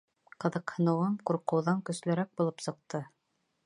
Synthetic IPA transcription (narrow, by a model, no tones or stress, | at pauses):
qɤ̆ðɤ̆qhɤ̆nɤ̆wɤmquɾqɤ̆wðɑŋkɵ̆slɘ̆ɾæk̚bulˠɤpsɤ̆q̚t̪ɤ